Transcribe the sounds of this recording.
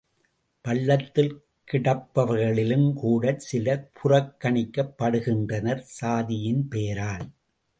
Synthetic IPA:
pɐɭːɐt̪ːɪl | kɪɽɐpːɐʋɐɾɣɐɭɪlɯmkuːɽɐsɪlɐpʰʊrɐkːɐɳɪkːɐpːɐɽɯɣɪndrɐnɐɾsaːðɪjɪnpeːɾaːl

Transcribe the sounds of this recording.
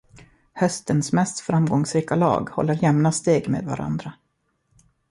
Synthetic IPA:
hœst̪ənsmɛst̪fɾamɡɔŋsɾiːkalɑ̰ːɡhɔ̰lːəɾjɛmnast̪eːɡmḛːd̪va̰ɾa̰nd̪ɾa

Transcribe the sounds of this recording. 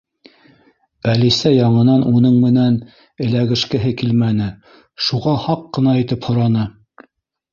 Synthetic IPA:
ælisæjɑɴɤ̆nɑnʔunɤɴmɘ̆næn | ɘ̆læɡɘ̆ʃkɘ̆ɦɘkilmænɘ | ʃuʁɑhɑqːɤ̆nɑit̪ɘphŏɾɑnɤ

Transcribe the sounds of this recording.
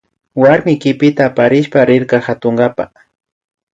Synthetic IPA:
waɾmɪkɪpɪt̪aːpaɾɪʃpaɾɪɾkɑhat̪oŋɡapa̰

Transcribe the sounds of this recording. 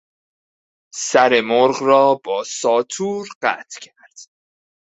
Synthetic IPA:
sæɾe̞moɾɢrɒːbɒːsɒːt̪ʰuːɾɢæ̰ːt̪ʰcʰæɾd̪̥

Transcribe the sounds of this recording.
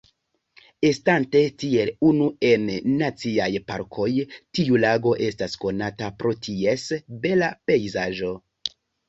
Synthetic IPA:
e̞stante̞tie̞lunue̞nːat͡siajpa̰ɾkʰo̞jtiulaɡo̞ʔe̞stasko̞natapɾo̞tʰie̞sbe̞lape̞jzaʒo̞

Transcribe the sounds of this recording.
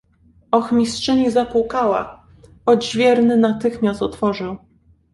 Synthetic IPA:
ɔxmʲistʂɘɲizapukawa̰ | ɔd͡ʑvʲjɛɾnɘnat̪ɘxmʲast̪ɔt̪fɔʐɘw

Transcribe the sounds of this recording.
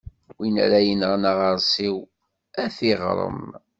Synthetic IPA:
winæ̰ɾæjənəʁnaʁəɾˤsˤiw | æθiʁɾˤə̰m

